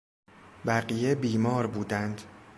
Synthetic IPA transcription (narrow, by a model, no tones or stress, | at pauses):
bæɢijebiːmɒːɾbuːd̪ænd̪̥